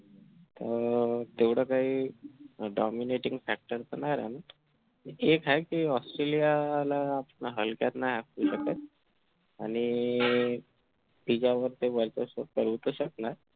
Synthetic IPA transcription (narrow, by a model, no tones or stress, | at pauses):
t̪ət̪eʋɽəkaɦiː | ɖɔmineʈiŋɡfæk̚ʈəɾt͡sənajɾana | ekajkiːɔsʈɾelialaːpnaɦəlkjat̪najɦakuːɕək̚t̪at̪̚ | aɽ̃i | bid͡ʑaʋəɾt̪eʋəɾt͡səsəkəɾut̪əɕəknaɾ